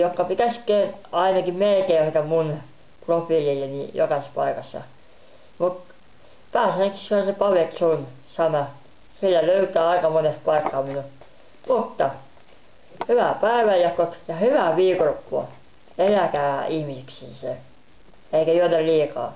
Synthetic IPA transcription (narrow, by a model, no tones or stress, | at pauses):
jokːɑpit̪æskˑeːnɑinɑkimelkeːoik̪æmun | profiljijɑnḭjo̰kɑspɑikɑsːɑ̰ | mut̪ | pæːsæneksishonsepɑʋeksun | sɑnɑ | silːæløyt̪ˑæːɑikɑmonespɑikːɑːminu | mut̪ːɑ | hyʋæpæeʋæjɑkːokjɑhyʋæʋiːkolopːuɑ̰ | elækæːihmisiksḭːse | eikæjoonːelliːkɑ̰ː